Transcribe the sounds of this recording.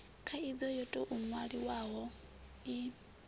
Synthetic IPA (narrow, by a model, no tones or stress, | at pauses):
kʰaid͡zɔjɔtʼɔʔumwaɺiwaɦɔ | i